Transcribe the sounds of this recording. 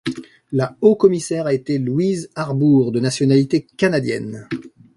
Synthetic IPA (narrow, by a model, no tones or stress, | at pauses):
laokɔmisɛʁaet̪elwizaʁbuʁd̪ənasjɔnalit̪ekanad̪jɛ̰n